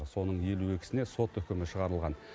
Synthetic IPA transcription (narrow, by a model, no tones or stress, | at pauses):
ɾso̞nəɴje̞luwekʲɪ̥sɪne̞so̞t̪ʏkʲɪmɪʃəʁɑɾəlˠʁɑn